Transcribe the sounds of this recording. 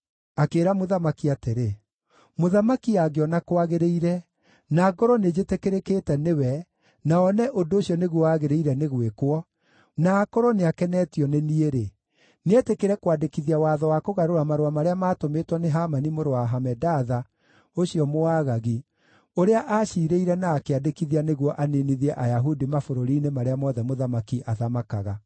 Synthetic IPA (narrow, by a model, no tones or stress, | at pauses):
akeːɾamoðamakiateɾe | moðamakiaɡeɔnakowaɣeɾeiɾɛ | naɡɔɾɔned͡ʒetekeɾekeːtɛnewɛ | naɔnɛʔodoːɕiɔneɣwɔwaɣeɾeiɾɛneɣwekwɔ | naːkɔɾɔneakɛnɛːtiɔnenieɾe | neetekeɾɛkwadekiðiawaːðɔwakoɣaɾoɾamaɾoamaɾeamaːtometwɔneɦamanimoɾowaɦamɛdaːða | oɕiɔmoaːɣaɣi | oɾeaʔaːʃiːɾeiɾɛnaːkeadekiðianeɣwɔʔaniniðiɛʔajaɦudimafoɾoɾiːnemaɾeamɔːðɛmoðamakiʔaðamakaɣa